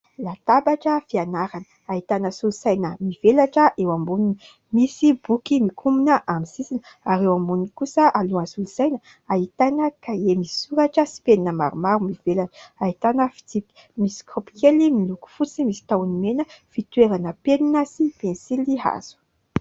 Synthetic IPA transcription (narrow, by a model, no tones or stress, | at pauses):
lat̪abaʈ͡ʂəfianaɾanə | ait̪anəsulusajnəmiv̥elaʈ͡ʂəʔewambunini | misibukimikʰuminəʔamisisin | aɾewambunikusəʔaluansulusajnə | aɦit̪anəkajemisi̥suɾaʈ͡ʂəsi̥peninəma̰ɾumaɾumivelaʈ͡ʂait̪anəfi̥t͡sipi̥ | misi̥kropi̥kelimiluku̥fut͡simisi̥t̪awnimenəfit̪weɾanəpeninəsipensiliɦa̰z̥u̥